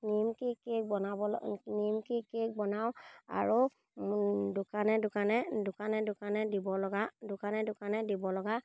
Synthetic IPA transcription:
nimkikek̚bɔnabɔlnimkikek̚bɔnawa̰ɹu | dʊkanɛdʊkanɛdʊkanɛdʊkanɛdibɔlɔɡadʊkanɛdʊkanɛdibɔlɔɡa

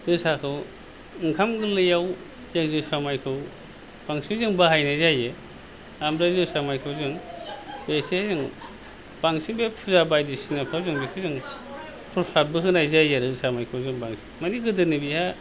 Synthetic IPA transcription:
ɾɯsakʰɯw | ɯŋkʰamɡɯlɯjaw | zaŋzɯsamajkʰɯw | b̥aŋsizɯŋbahajnajzaje | amɾazɯsamajkʰɯwzɯŋb̥esezɯŋ | b̥aŋsibepʰuzabajdisinapʰawzɯŋbisʰizɯŋ | pʰuɾsabɯɦɯnajzajeɾɯsamajkʰɯwzɯŋbaŋsi̥maniɡɯdɯnibiha

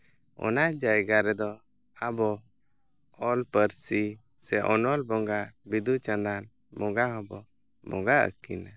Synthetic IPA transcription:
ɔ̰nad͡ʒajɡaɾɛd̪ɔ | abɔ | ɔlpəɾsi | sɛʔɔnɔlbɔŋɡabid̪ut͡ʃãnd̪an | mɔɡaɦɔbɔ | mɔɡaə̰kina

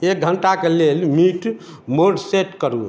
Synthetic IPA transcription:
ek̚ɡʱəɳʈakelelmiʈ | moɖseʈkəɾu

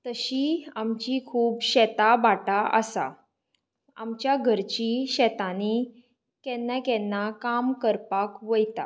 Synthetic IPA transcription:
t̪əɕiamt͡ɕikʰuːbɕɛt̪abaʈaə̰sa̰ | a̰mt͡ɕjaɡʱəɾt͡ɕiɕɛt̪ane | kɛ̃nːakɛnːakamkəɾpakʋəjt̪a̰

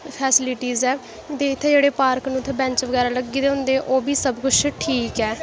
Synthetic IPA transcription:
pʰɛːsɪlɪʈiːzɛː | t̪eːɪt̪ʰːeːd͡ʒeːɽeːpaːɾknũːt̪ʰːeːbɛ̃ɲt͡ʃʋəɡɛːɾaːləɡːiːd̪eːɦʊ̃nd̪eːʔoːbiːsəbkʊt͡ʃʰʈʰiːkɛː

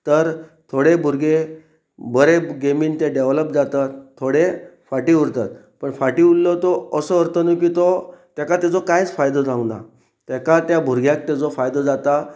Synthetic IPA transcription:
t̪əɾt̪ʰoɽebʱuɾɡe | bəɾeɡemiːnt̪eɖeʋləp̚d͡zat̪at̪ʰːoɽefaʈiuɾt̪at̪̚ | pəɳfaʈiullət̪ɔəsəəɾt̪ənuk̬iːt̪ot̪jakat̪ad͡zɔkajt͡sfajd̪ɔd͡zʱãwna̰ | t̪ɛkat̪jabʱuɾɡʱjãk̚t̪ad͡zɔfajd̪ɔd͡zat̪a

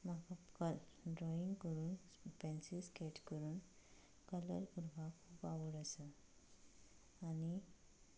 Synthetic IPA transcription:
makakəl | ɖɾɔiŋɡkəɾuːn | pɛ̃nsiskeʈkəɾuːn | kələ̰ɾkuɾʋʱakʰuːpaʋəɽəsə | ani

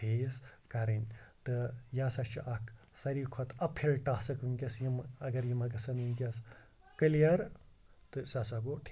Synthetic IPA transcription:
eskɐɾɐnʲt̪ɨjasɐt͡ʃʰiʔɐk | sɐɾikʰɔt̪ɐpʰelʈaːsɐkunkʲɐsjimɐɡɐɾjimɐɡɐsɐnunkʲɐs | kɨlijɐɾ | t̪ɨsasɐɡoʈʰː

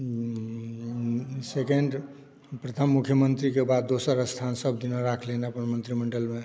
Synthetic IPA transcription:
sekeɳɖ | pɾət̪ʰəmːukʰjəmənt̪ɾikebad̪̚ːosəɾəst̪ʰansəbd̪inoɾakʰleneəpənmənt̪ɾiməɳɖəlme

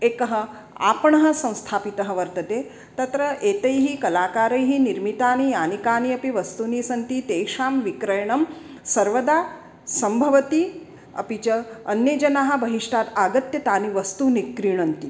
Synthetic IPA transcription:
eːkɐɦɐ̆ | a̰ːpɐɳɐɦɐ̆sɐ̃w̃st̪ʰaːpit̪ɐɦɐ̆ʋɐɾt̪ɐt̪eː | t̪ɐt̪ɾɐʔeːt̪ɐjɦikɐlaːkaːɾɐjɦiniɾmit̪aːnijaːnikaːniɐpiʋɐst̪uniːsɐnt̪it̪eːʂaːmʋikɾɐjɐɳɐm | sɐɾʋɐd̪aː | sɐmbʱɐʋɐt̪i | ɐ̰pit͡ʃɐːnjeːd͡ʒɐnaːɦɐ̆bɐɦiʂʈaːt̪aːɡɐt̪jɐt̪aːniʋɐst̪uːnikːɾiːɳɐnt̪i

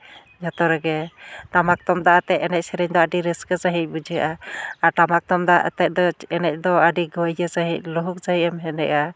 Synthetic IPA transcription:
d͡ʒɔt̪ɔɾɛɡɛt̪amak̚t̪ɔmd̪aʔat̪ɛʔɛnɛc̚sɛɾɛɲd̪ɔaɖiɾiskət͡ʃaɦic̚bud͡ʒiʔaaɾt̪amak̚t̪ɔmd̪aʔt̪ɛc̚d̪ɔɛnɛc̚ˀd̪ɔaɖiɡɔjd͡ʒəsaɦic̚luɦuk̚saɦicɛmɦɛnɛ̰ʔa

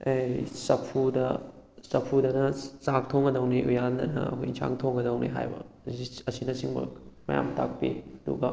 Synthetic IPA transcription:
ejsɐpʰudɐ | sɐpʰudɐnɐsak̚tʰoŋɡɐdɐwniʔujandɐnɐ̰ɐ̰kʰojnsʰa̰ŋtʰoŋɡɐdɐwniɦa̰jbɐ̰ | iɐsinɐsiŋbɐ̰mɐja̰mtak̚pḭɐdṵɡɐ

